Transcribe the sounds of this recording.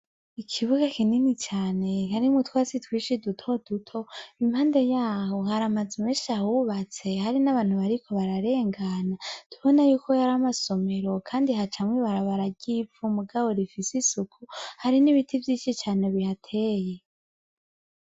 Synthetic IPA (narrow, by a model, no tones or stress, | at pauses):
ikʰiβuɡakininit͡ʃaːne̞haɾimutwaːsitwiːʃidutʰo̞d̥utʰo̞imhaːndejaːho̞haɾamad͡zimeːnʃiahuβat͡se̞haɾinaβaːn̥huβaɾikʰo̞βaɾaɾe̞ːŋɡanad̥uβo̞najuːkʰo̞jaɾamaso̞me̞ɾo̞kʰaːndiɦat͡ʃamwiβaɾaβaɾaɡipfumuɡaβo̞ɾifisisukʰuhaɾiniβitʰivjiːt͡ʃit͡ʃaːne̞βihatʰe̞ːje